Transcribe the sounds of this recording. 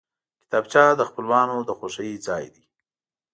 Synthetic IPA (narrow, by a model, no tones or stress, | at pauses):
kɪ̥t̪ɑbt͡ʃɑd̪əxpəlwɑnod̪əxoʃajit͡sɑjd̪i